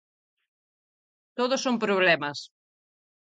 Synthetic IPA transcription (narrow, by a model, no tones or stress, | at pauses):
t̪oðʊsompɾoβ̞lɛmɐs